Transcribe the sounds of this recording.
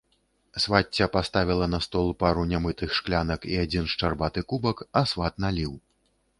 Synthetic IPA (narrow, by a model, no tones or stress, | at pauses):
svatt͡sʲːɐpast̪avʲilˠɐnɐst̪ɔlˠpaɾunʲamɨt̪ɨxʂklʲanɐkiad͡zʲinʂt͡ʂarbat̪ɨkubɐkasvat̪nalʲiw